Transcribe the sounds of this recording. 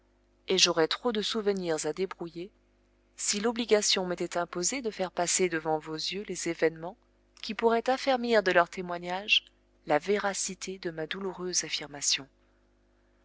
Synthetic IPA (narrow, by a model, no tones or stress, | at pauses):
eʒoʁɛt̪χod̪əsuvəniʁzad̪ebʁuje | silɔbliɡʲasjɔ̃met̪ɛt̪ɛ̃pozed̪əfɛʁpased̪əvɑ̃vozjølezevɛnmɑ̃ | kʲipuʁɛt̪afɛʁmiʁd̪əlœʁt̪ʰemwaɲaʒ | laveʁasit̪ʰed̪əmad̪uluʁøzafiʁmasjɔ̃